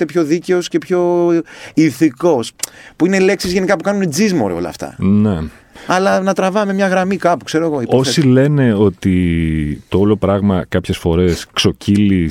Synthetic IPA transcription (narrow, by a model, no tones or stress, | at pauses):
t̪epço̞ðice̞osce̞pço̞ | iθiko̞spuine̞le̞ksizʝe̞nikɐpukɐnuned͡zizmo̞̰ɾḛo̞lɐ̰ft̪ɐ̰ne | ɐlɐnɐt̪ɾɐvɐme̞mɲɐɣɾɐmikɐpukse̞ɾo̞eɣo̞iposile̞ne̞o̞t̪it̪oolo̞pɾɐɣmɐkɐpçe̞sfo̞ɾe̞skso̞cilis